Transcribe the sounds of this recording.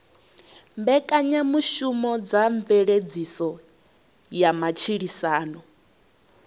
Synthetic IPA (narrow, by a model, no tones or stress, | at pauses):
mbɛkʼaɲamuʃumɔd͡zaɱveɺed͡zisɔ | jamat͡ʃʰiɺisaːnɔ